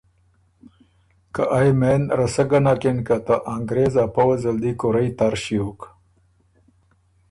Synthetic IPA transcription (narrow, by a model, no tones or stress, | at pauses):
kaʔajmenɾɐsəɡɐnakenkat̪aʔaŋɡɾezapawɐzɐld̪ikoɾajt̪aɾʃiuk